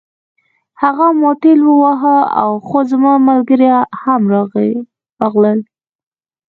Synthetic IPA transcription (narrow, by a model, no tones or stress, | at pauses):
haɣamoʈelwəwaɦəa̰wxozəmɑmalɡəɾjahamɾɑɣə | aɣləl